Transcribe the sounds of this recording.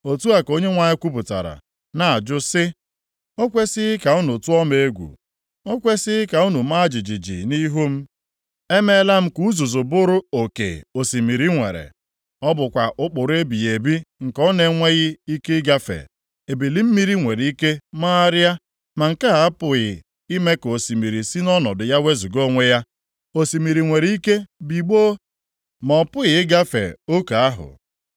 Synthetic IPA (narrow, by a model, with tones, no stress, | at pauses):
o˨tu˦a˨ko˦ɲe˦ŋʷa˨ɲɪ˦kʷu˦p̬ʊ˨ta̰˨ɾa̰˨ | na˨a˨d͡ʒʊ˦sɪ˦ | o˦kʷe˦sɪ˦ɪ˦ka˨ʊ˦nʊ˨tu˦ɔ˦me˨e˦ɡʷṵ˨ | o˦kʷe˦sɪ˦ɪ˦ka˨u˦nu˨ma˦d͡ʒi˨d͡ʒi˨d͡ʒḭ˨ni˦ɦu˦m̩˦ | e˦me˦la˦m̩˦ku˦zu˨zʊ˨bʊ˦ɾʊ˦o˨kḛ˨o˨si˨mi˨ɾi˦ŋʷḛ˨ɾḛ˨ | ɔ˦bʊ˨kʷa˨ʔʊ˦k͡pʊ˨ɾe˦bi˨e˨bi˦ŋ̩˨kɔ˦ne˦ŋʷe˦ɣɪ˦i˦ke˦ɡa˦fḛ˨ | e˨bi˨li˦m̩˦mi˦ɾi˦ŋʷe˨ɾi˦ke˦ma˦a˦ɾa˦ | ma˨ŋ̩˨ka˦ɦa˨a˦pʊ˨ɣɪ˨ | i˦me˦ko˨si˨mi˨ɾi˨si˦nɔ˦nɔ˨dʊ˨ja˦we˦zu˨ɡo˦ŋʷe˦ja˦ | o˨si˨mi˨ɾi˨ŋʷe˨ɾi˦ke˦bi˨ɡ͡bo˦ | mɔ˨pʊ˦ɣɪ˨˦ɡa˦fḛ˨o˦ka˨a˦ɦʊ̰˨